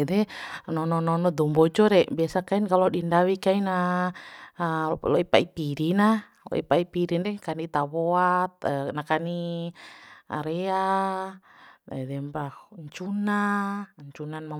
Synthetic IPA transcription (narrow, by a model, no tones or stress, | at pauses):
ɛdɛnɔnɔnɔnɔd̪ɔmbɔd͡ʒɔɾɛbiasakainkalɔdindawikaina | lɔipaipiɾina | lɔ̰ʔḭpaipiɾindɛkanit̪aβɔat̪̚nakani | aɾɛa | ɛdɛmbahɲt͡ʃunaɲt͡ʃunanma